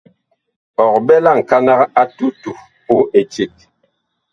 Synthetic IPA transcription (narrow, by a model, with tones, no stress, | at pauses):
ɔ˨k̚bɛ˦la˦˨ŋ̩˨ka˦na˦ka˦tu˦tu˨ | po˦e˨t͡ʃi˨t̚